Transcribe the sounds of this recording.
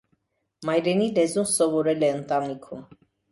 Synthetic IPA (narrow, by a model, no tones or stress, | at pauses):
mɑjɾɛnilɛzumsɔvɔɾɛlɛənt̪ɑnikʰum